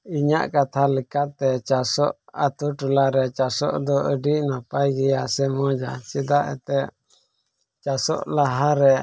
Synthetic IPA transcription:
iɲa̰ʔkat̪ʰalɛkat̪ɛt͡ʃasɔʔat̪uʈulaɾɛt͡ʃasɔ̰ʔd̪ɔəɖiʔnapajɡɛjasɛmɔd͡ʒat͡ʃid̪aʔɛ̰t̪ɛʔ | t͡ʃasɔ̰ʔlaɦaɾɛ

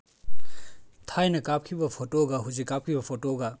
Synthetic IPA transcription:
tʰajnɐkap̚kʰibɐpʰotoɡɐɦuzikːap̚kʰibɐpʰotoɡɐ

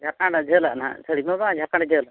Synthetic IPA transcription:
d͡ʒʱakaɽad͡ʒʱəla̰ʔnã̰sʰəɽimabãd͡ʒʱakaɳd͡ʒəl

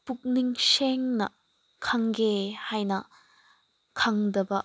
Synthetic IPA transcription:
puk̚niŋseŋnɐ̰ | kʰɐŋɡehajnɐ | kʰɐŋdɐbɐ

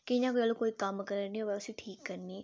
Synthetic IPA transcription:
kɪɪɲãkoiəlokoːiːkɐmkəɾəɾnĩːoːʋɛʊsiʈʰiːkːəɾniː

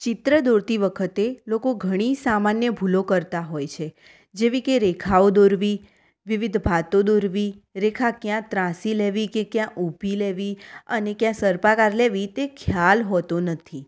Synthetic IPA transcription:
t͡ʃɪt̪ɾəd̪oɾt̪iʋəkʰət̪elokoɡʱəɽ̃isamanjəbʱulokəɾt̪aɦojt͡ʃʰe | d͡ʒeʋikeɾekʰaod̪oɾʋi | ʋiʋɪd̪ʱbʱat̪od̪oɾʋiɾekʰakjãt̪ɾãsileʋikekjãʔubʱileʋiənekjãsəɾpakaɾleʋit̪ekʰjalɦɔt̪onət̪ʰi

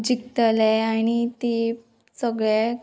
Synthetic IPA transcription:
d͡ʑikt̪əlɛañit̪e | səɡɭɛ

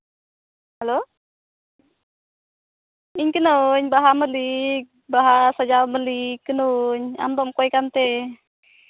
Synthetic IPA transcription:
halo | iɲkənoɲbaɦaməlik̚baɦasad͡ʒalməlikːənuɲa̰md̪ɔmkɔjkant̪ɛ

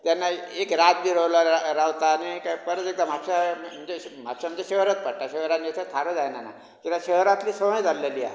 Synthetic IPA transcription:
t̪janːaekɾat̪̚biɾəwlaɾawt̪aːnikapəɾət͡s̪ek̚d̪ãm̤apɕam̤əd͡ʑem̤apɕam̤ənd͡ʑeɕeɦɾət̪̚pəɽʈaɕeɦɾanesʰət̪ʰaɾəd͡zajnana̰ | kit̪aɕəɦɾat̪liːsəmə̃jd͡zallelia̰

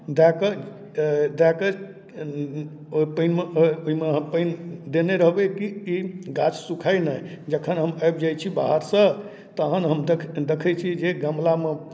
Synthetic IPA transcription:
d̪akə | d̪akə | pəɪnmeoimeɦəpəjnd̪eneɾəɦbekiiɡat͡ʃsukʰajnəj | d͡ʒəkʰənɦəməjbd͡ʒajt͡ʃʰibaɦəɾsə̃ | t̪əɦənɦəmd̪ekʰət͡ʃʰid͡ʒeɡəmlame

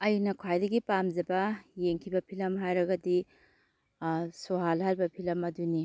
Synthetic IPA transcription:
ɐjnɐkʰajdɐɡipamd͡ʒɐbɐjeŋkʰibɐpʰilɐmɦajɾɐɡɐdi | soɦalhalbɐpʰilɐmɐduni

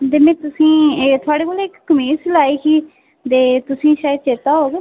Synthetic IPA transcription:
t̪eːmɛ̃ːt̪ʊsĩːt̪ʰʊaːɽeːkoːlːɪkːəmeːslaːiːkiː | t̪eːt̪ʊsĩːʃaːjəd̪̚t͡ʃet̪aːɦoːɡeː

